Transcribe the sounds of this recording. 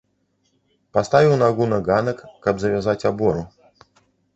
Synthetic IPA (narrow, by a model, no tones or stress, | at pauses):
past̪avʲiwnaɣunɐɣanɐkːɐbzɐvʲazat͡sʲabɔɾu